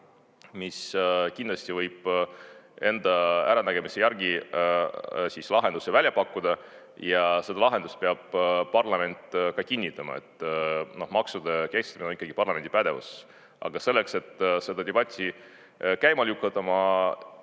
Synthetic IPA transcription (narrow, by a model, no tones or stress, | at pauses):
miskind̪̥lɑsʲt̪ivɤjb̥ | e̞nd̪̥ɑæɾɑnæɡ̥e̞misejæɾɡ̥i | sislɑɦe̞nd̪usevælʲjɑpɑkːud̪̥ɑ | jɑse̞d̪̥ɑlɑɦe̞nd̪ust̪̚peɑb̥̚ːɑrlɑme̞nt̪ːˑkɑkinʲːit̪ːˑɑmɑ̰e̞̰t̪ːˑno̞hmɑksud̪ekest̪ɑminenikːɑɡipɑrlɑme̞nd̪ipæd̪̥e̞vṵs | ʔɑ̰ɡ̥ɑse̞lːe̞kse̞t̪ːˑse̞d̪ɑd̪̥ebɑt̪ʲˑːi | kæjmɑlʲjukːˑɑt̪ːˑɑmɑ